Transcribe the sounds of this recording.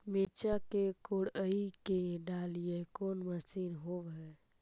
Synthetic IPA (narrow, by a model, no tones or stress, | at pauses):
miɾt͡ʃakekoɽəikeɖalijekoːnməsinɦoʋɛ